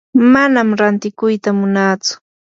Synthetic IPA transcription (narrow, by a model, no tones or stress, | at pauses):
manamɾant̪ɪkʊjt̪amʊnaːt͡sʊ̥